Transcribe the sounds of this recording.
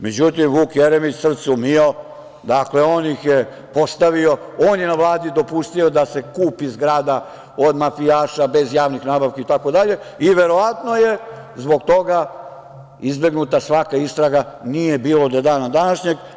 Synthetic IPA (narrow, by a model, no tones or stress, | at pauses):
me̞d͡ʑut̪imʋuːkjeɾemit͡ɕsr̩t̪sumio | d̪akle̞oːnixje | po̞st̪aʋio̞oːnjenaʋlˠaːd̪id̪o̞pust̪io̞d̪ase̞kuːpizɡɾaːd̪a | o̞d̪mafijaːʃabe̞zjaːʋnixnaːbaʋkait̪ako̞d̪aʎe̞ | iʋe̞ɾo̞ʋat̪no̞je̞ | zbo̞ɡt̪o̞ɡa | izbe̞ɡnut̪asʋakaist̪ɾaɡanije̞biːlˠod̪od̪aːnad̪anaʃɲeɡ